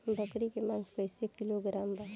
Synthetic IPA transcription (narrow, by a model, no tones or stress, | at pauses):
bʱəkɾikemãːŋspəɪsekɪloɡɾaːmba